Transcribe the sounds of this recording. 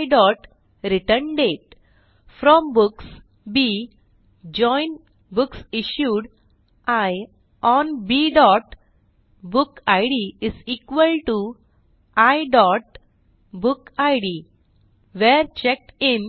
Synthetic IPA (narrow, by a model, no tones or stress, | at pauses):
ɖɔʈ | ɾiʈənɖeʈ | fɾɔ̃mbuks | bi | d͡ʑɔ̃jn | buksiɕjuːɖ | aj | ɔnbiɖɔʈ | bukajɖiizikʋəlʈu | ajɖɔʈ̚ | bukajɖi | ʋeɾt͡ɕɛk̚ʈem